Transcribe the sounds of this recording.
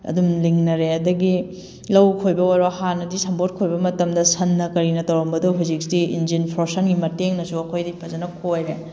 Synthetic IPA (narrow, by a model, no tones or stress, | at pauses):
ɐ̰dumliŋnɐɾeɐdɐɡi | lɐwkʰojbɐojɾohanːɐdisɐmbot̚kʰojbɐmɐtɐmdɐsɐnːɐkɐɾinɐtɐwɾɐmbɐduɦuzik̚sdiind͡ʒinpʰɾosɐnɡimɐteŋnɐsuɐkʰojdipʰɐzɐnɐkʰojɾe